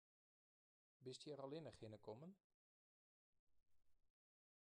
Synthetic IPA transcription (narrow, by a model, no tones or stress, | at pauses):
bɪstjɛɾɔlˠɪnəxhɪnəkʰɔmən